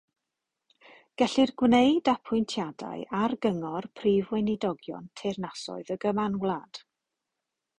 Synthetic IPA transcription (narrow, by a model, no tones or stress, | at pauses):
ɡ̥ɛɬɪrɡwnejdapʰʊɨntʰjada̰ɨʔarɡəŋɔrpʰrivwɛnɪdɔɡjɔ̰ntʰernasɔ̰ɨðəɡəmanwlˠad̥